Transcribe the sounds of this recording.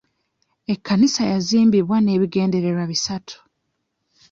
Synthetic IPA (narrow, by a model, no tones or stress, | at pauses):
e̞kːanisajaziːmbiβwane̞ːβiɡe̞ːnde̞ɾe̞ɾwaβisatʰu̥